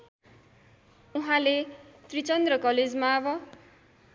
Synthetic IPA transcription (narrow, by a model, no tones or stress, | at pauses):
uɦãlet̪rit͡sʌnd̪rʌkʌled͡zmaːbʌ